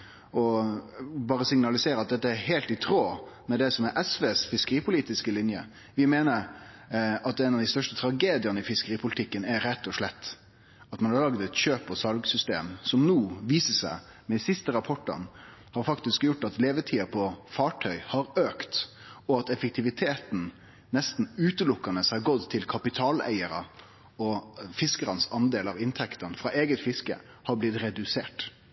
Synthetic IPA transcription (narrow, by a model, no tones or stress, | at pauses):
ɔ | bɑːɾəsɪŋnɑlɪseːɾəɑt̪̚d̪ɛt̪ːəæɾɦeːlt̪ɪt̪ʰɾoːmɛd̪ɛsɔmɛɾʔɛsʋeːsfɪskəɾiːpʰʊliːt̪ɪskəlɪnjə̰ | ʋɪmeːnəɾ | ɑt̪ɛnɑʋd̪ɪst̪œʂʈət̪ʰɾɑɡeːd̪ɪjɑnəɪfɪskəɾiːpʰʊlɪt̪ʰɪkːənæɾɛt̪ːɔʂɭɛt̪ː | ɑt̪mɑnhɑɾlɑɡd̪ɛt̪ɕøːpʰːɔsɑlɡsʏst̪ḛːmsɔmnuːʋiːsəsæ̰ɪmɛsɪst̪əɾɑpʰɔʈːɑ̰nhɑːɾfɑkt̪ɪskjʊʈːɑt̪leːʋəʈʰiːɑpʰɔfɑːʈʰœʏhɑɾøːkt̪ | ɔɑt̪ɛfək̚t̪ʰɪʋɪt̪ʰeːt̪n̩ | nɛst̪n̩ʉːt̪əlʊkːɑnəshɑɾɡɔd̪t̪ʰːɪlkʰɑpɪt̪ʰɑːlæ̰ɪəɾɑ̰ | ɔfɪskəɾɑnsɑnd̪eːlɑʋɪnt̪ʰɛkt̪ɑnfɾɑʔeːɡət̪fɪskə̰ | hɑɾblɪt̪ɾɛd̪ʉseːʈ